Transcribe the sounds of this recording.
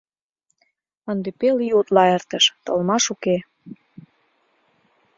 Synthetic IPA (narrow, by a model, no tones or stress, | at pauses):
ənd̪epeliot̪lɑert̪əʃt̪ə̰lmɑʃuke